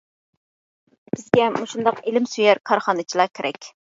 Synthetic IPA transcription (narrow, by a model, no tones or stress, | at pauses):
b̥ɪzɡʲɛmuʃund̪ɑqelɪmsyjæɾkʰɑɾχɑnɨt͡ʃʰilˠɑkʲʰeɾʔɛ̰kʲ